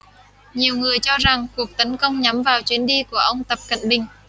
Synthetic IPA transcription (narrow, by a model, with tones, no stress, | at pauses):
ɲi˨˩əwŋɨ˨˩əjt͡ɕɔ˧za˨˩ŋku˨˩ək̚t̪ə˨˦nkə˧wŋ͡mɲa˨˦mvaː˨˩wt͡ɕwi˨˦ənɗi˧ku˧˩əʔə˧wŋ͡mt̪ə˨˩p̚kə̰˧˨nɓï˨˩ŋ̟